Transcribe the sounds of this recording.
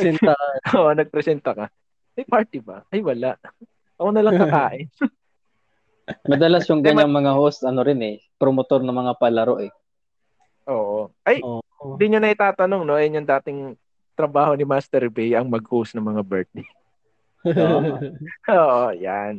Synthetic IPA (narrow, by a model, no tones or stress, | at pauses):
oːʔonɐɡ̚pɾɛsɛnt̪ɐkɐ | ʔɐjpaɹt̪ɪbɐʔɐjwɐlaʔ | ʔɐkonɐlɐkɐkaːʔɪn | mɐd̪ɐlasjʊŋɡɐɲaŋmɐŋahost̪ɐnoɾɪnɛ | pɾomot̪o̞ɾnɐmɐŋapɐlɐɾo̞ʔɛ | ʔoːʔoʔɐj̪d̪ɪɲːonɐʔɪt̪aːt̪ɐno̞ŋnoɐjɐnjɐnd̪aːt̪ɪŋ | t̪ɾɐbaːho̞nɪmast̪ɛɾbɛjɐŋmɐɡ̚howsnɐŋmɐŋabɛɹt̪̚lɪ | oːʔoja̰n